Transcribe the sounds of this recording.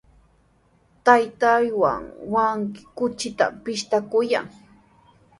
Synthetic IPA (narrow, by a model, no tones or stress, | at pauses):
t̪ajt̪ajwa̰ŋwaŋkɪ̥kʊt͡ʃɪt̪a̰pɪʃt̪akʊja̰ŋ